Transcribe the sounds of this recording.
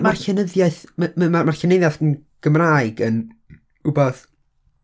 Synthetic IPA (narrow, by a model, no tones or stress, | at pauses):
marɬɛnəðjaɨθmmmarmarɬɛnejðjaθənɡ̥əmraːɨɡən | ubɔð